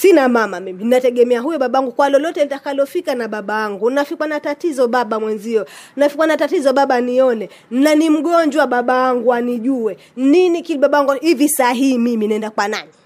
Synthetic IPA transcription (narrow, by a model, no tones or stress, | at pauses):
sinamamamiminnatɛɠɛmɛaɦujɔɓaɓaaŋɡukwalɔlɔtɛnitakalɔfikanaɓaɓawaŋɡunnafikwanatatizɔɓaɓamwɛnziɔnnafikwanatatizɔɓaɓaniɔnɛ | nanim̩ɠɔɲd͡ʒwaɓaɓawaŋɡuaniʄuwɛ | ninikilɓaɓawaŋɡuhivisaɦihimiminaɛndakwanani